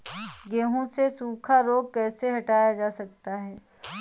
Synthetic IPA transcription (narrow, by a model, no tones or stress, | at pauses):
ɡeːɦõsesuːkʰaɾoːɡ̚kɛːseɦɐʈaːjad͡ʒaːsɐk̚t̪aɦɛː